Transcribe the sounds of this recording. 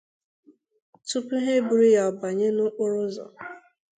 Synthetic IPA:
tu˦pʊ˦ɦe˦bu˨ɾi˦ja˨ba˨ɲe˦nʊ˦ʔʊ˦ɾʊ˦zɔ̰˨

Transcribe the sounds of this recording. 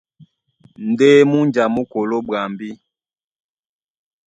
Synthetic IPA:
n̩˨deː˦mu˦nd͡ʒa˨mu˦ko˨lo˦ba˨mbi˦

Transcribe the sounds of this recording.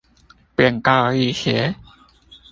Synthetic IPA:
pi˨˩ə˨ŋka˧˩i˧˨xe˨˦

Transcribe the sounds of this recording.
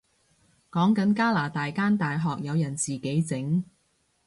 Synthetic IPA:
kɔː˨˥ŋkɐ˨˥nkaː˥laː˨˩t̪aː˨jkaː˥nt̪aː˨jɦɔː˨k̚jɐ˨˧wjɐ˨˩nt͡siː˨ke˨˥jt͡sɪ˨˥ŋ

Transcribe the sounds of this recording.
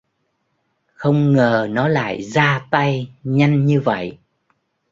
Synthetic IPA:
xə˧wŋ͡mŋəː˨˩nɔ˨˦la̰ː˧˨jzaː˧t̪a˧jɲa˧jŋɲɨ˧və̰˧˨j

